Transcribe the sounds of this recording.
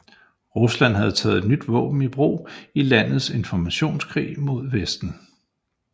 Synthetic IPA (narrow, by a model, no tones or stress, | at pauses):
ʁuslæn̰ɦæð̞ˠt͡sʰɛ̰ːð̩ˠe̝d̥nyd̥ʋɔ̰̽ːb̥n̩ib̥ʁo̝̰ːilæn̰ð̩ˠse̝nfɒmæɕo̝̰ːnskʰʁḭːmo̝ð̞̰ˠʋesd̥n̩